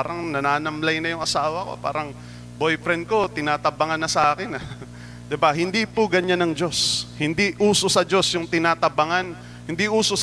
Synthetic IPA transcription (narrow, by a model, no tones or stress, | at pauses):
aɾɐŋnɐnaːnɐmlɐjnɐjʊŋʔɐsaːwɐko̞̰pa̰ːɾɐŋ | bojpɾɛnd̪̚ko̞t̪ɪnaːt̪ɐbɐŋanːɐsɐʔaːkɪnɐ | d̪ɪbaɦɪnd̪ipoɡɐɲanɐŋd͡ʒo̞shɪnd̪iʔuːsosɐd͡ʒo̞sjʊŋt̪ɪnaːt̪ɐbɐŋan | hɪnd̪iʔuːso